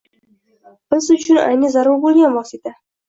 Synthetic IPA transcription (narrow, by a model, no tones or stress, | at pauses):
b̥ɪzʊt͡ʃʰʊna̰jnɪzaɾʊɾbolˠɡʲanvɒsɪt̪ʰa